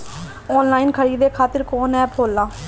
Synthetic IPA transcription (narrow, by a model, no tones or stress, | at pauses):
ɔːnlaːiːnkʰəɽiːd̪eːkʰaːt̪əɾkoːnɛ̃ːpʰoːlːãː